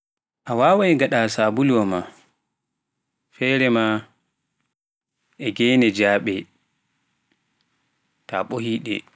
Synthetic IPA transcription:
ʔawaːwajŋɡaɗasabulwɔma | fɛːɾɛma | ʔɛɡɛːnɛd͡ʒaːɓɛ | ta̰ɓohiːɗɛ̰

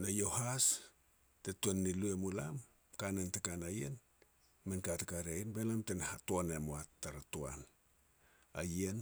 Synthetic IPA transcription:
najo̞has | tetuenːiluemulam | kanentekanajḛn | menkatakaɾeajenbelamtenhatoanemoatːaɾatoa̰n | a̰jen

